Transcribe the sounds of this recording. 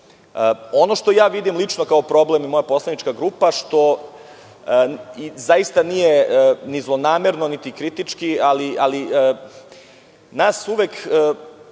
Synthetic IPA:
əo̞no̞ʂt̪o̞jaːʋid̪imlˠit͡ʂno̞kaopɾo̞blemimojapo̞slˠanit͡ʂkaɡɾuːpaʂt̪o̞ | izajist̪anijenizlˠo̞naːmeɾno̞nit̪ikɾit̪it͡ʂkialiʔaliə | naːsuʋekː

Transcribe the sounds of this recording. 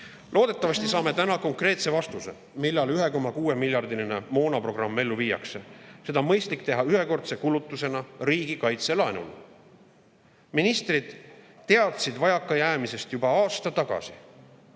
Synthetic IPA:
lʔo̞ːd̪e̞t̪ːˑɑvɑst̪isɑːme̞t̪ænɑko̞ŋkre̞ːt̪se̞vɑst̪use̞̰ | milːɑlyɦe̞ko̞mːɑkuːe̞milʲjɑrd̪ilinemo̞ːnɑpro̞ɡ̥rɑmːe̞lːuviːjɑ̰kse̞se̞d̪̥ɑmɤjst̪likt̪e̞ɦɑyɦeko̞rt̪se̞kulut̪ːˑuse̞nɑɾiːɡikɑjt̪se̞lɑenṵl | minist̪rid̪̥t̪e̞ɑt̪sid̪vɑjɑkːˑɑjæːmise̞st̪jubɑɑːst̪ɑt̪ɑɡ̥ɑ̰si

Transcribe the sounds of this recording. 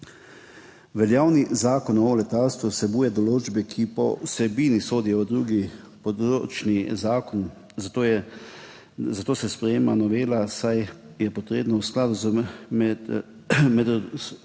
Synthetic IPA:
ʋɛljaːwnizaːkɔnɔlɛt̪alst̪ʋusɛbuːjɛd̪ɔloːd͡ʒbɛkʰipɔ̰sɛbiːnisoːd̪ijɔʋəd̪ɾuːɡi | pɔd̪ɾot͡ʃnizaːkɔn | zt̪ːɛ | zat̪oːsɛspɾɛjeːmanɔʋeːlasaj | jɛpɔt̪ɾeːbnɔwsklaːd̪uzmɛ | mɛd̪

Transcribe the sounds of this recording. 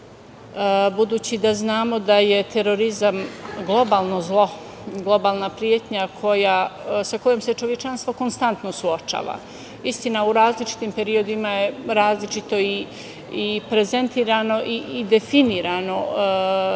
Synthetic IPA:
bud̪uːt͡ɕid̪aznaːmo̞d̪aje̞t̪e̞ɾo̞ɾizamɡlˠo̞baːlˠno̞zlˠo̞ | ɡlˠo̞baːlˠnapɾijet̪ɲakʰo̞jasako̞jomse̞t͡ʃo̞ʋjet͡ʃanst̪ʋo̞ko̞nst̪ant̪nosuot͡ʃa̰ːʋa̰ | ist̪inauɾaːzlit͡ʃi̥t̪impe̞ɾio̞d̪imaje̞ɾaːzlit͡ʃit̪o̞i | ipɾe̞ze̞nt̪iːɾano̞ʔiːd̪e̞finiːɾano̞

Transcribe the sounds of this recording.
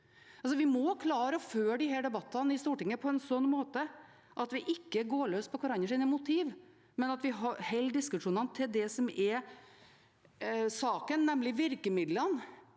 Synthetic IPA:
ɑls̬ɔʋɪmɔkʰlɑːɾəføːɖɪɦæːɖɛbɑt̪ʰːənɪst̪uːʈɪŋːəpʰɔɛnsɔnːmoːt̪ə | ʔɑt̪ʋɪʔɪkːəɡoːɭøːst̪pʰɔkʰʊɾɑɲːəʂ̬iːnəmʊt̪ʰiːʋ | mɛnɑt̪ʋɪɦɑɾhɛlːd̪ɪskʉʂuːnənət̪ʰɪld̪ɛsɔmɛ | sɑːkənːɛmlɪʋɪɾkəmɪd̪lən

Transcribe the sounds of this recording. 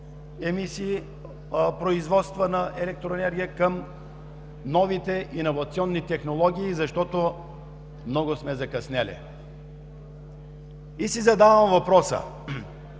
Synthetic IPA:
ɛmisi | pɾoizvɔt̪st̪vənɐʔɛlɛk̚t̪ɾoɛnɛɾɡʲijəkəm | nɔvit̪ɛʔinovɐt̪siɔnːit̪ɛxnolˠɔɡʲiːzɐʃt̪ɔt̪o | mnɔɡosmɛzɐkɐsnɛlɛ̰ | isizɐd̪avɐmvɐpɾɔsə̰

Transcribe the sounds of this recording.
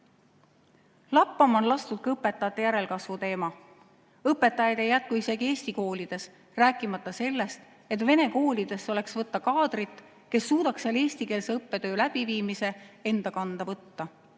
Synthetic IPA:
lɑpːˑɑmo̞nlɑst̪ut̪̚kɑɤpːe̞t̪ːˑɑjɑt̪ːˑe̞jæɾe̞lkɑsvut̪e̞ːmɑ | ɤpːˑe̞t̪ːˑɑjɑd̪̥ejæt̪̚kuise̞ɡ̥ie̞ːst̪iko̞ːlid̪̥e̞s | ræːkːˑimɑt̪ˑːɑse̞lːe̞st̪ | e̞t̪ve̞ne̞ko̞ːlid̪̥e̞sːo̞le̞ksvɤt̪ːɑkɑːd̪̥rit̪ːˑ | ke̞sːuːd̪̥ɑksjeɑle̞ːsʲt̪ike̞lseɤpːe̞t̪ø̞ːlæb̥iviːmise̞e̞nd̪̥ɑkɑnd̪̥ɑvɤt̪ːɑ

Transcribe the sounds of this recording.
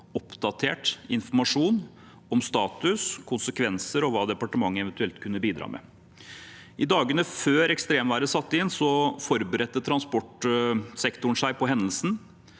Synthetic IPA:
ɔpd̪ɑt̪ʰḛːʈɪnfɔɾmɑʂuːn | ɔmst̪ɑːt̪ʉskʰʊnsəkʰʋɛnsəɾɔʋɑːd̪ɛpɑʈəmɑŋːəɛʋənt̪ʉɛlt̪kʰʉnːəbiːd̪ɾɑ̰ːmʔɛ̰ | ʔɪd̪ɑːɡənəføːɾɛkst̪ɾeːmʋæːɾəsɑt̪ːəɪnsɔfɔɾbəɾɛt̪ːət̪ʰɾɑnspɔʈsɛkt̪ʊɳʂæɪpɔɦɛnːəlsn̩

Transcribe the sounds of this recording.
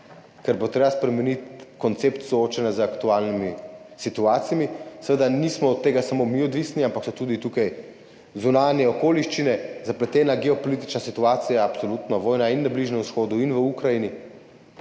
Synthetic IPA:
kɛɾbot̪ɾeːbaspɾɛmɛnit̪kɔnt̪seːpt̪sɔoːt͡ʃɛnazəakt̪uaːlnimi | sit̪uaːt̪sijamisəʋed̪anismɔːt̪ːeːɡasamomiɔd̪ʋisniampaksɔt̪uːd̪it̪ukaj | zunaːnjɛɔkoːliʃt͡ʃinɛzaplɛt̪ɛːnaɡɛɔpɔlit̪̬i̥t͡ʃnasit̪uaːt̪sijaːpsolut̪nɔʋɔːjnainːabliːʒnɛmusxoːd̪uinʋəukɾajini

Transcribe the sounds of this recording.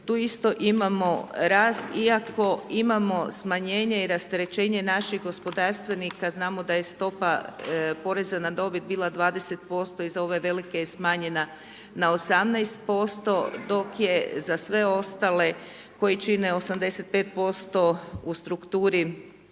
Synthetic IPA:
t̪uːist̪o̞ʔimamo̞ɾaːst̪iakʰo̞imamo̞smaɲe̞ːɲeiɾast̪eɾe̞t͡ʃe̞ːɲe̞naʃiɣɡo̞spo̞d̪aːɾst̪ʋe̞nikaznaːmo̞d̪aje̞st̪o̞papo̞ɾe̞zanad̪o̞bit̪̚biːlˠad̪ʋaːd̪e̞se̞t̪̚po̞st̪o̞izao̞ʋe̞ʋe̞like̞jsmaːɲe̞na | nao̞samnajst̪̚po̞st̪o̞d̪o̞kje̞zasʋe̞o̞st̪ale̞ | ko̞jit͡ʃineo̞samd̪e̞se̞t̪̚pet̪̚po̞st̪o̞ust̪ɾukt̪uːɾi

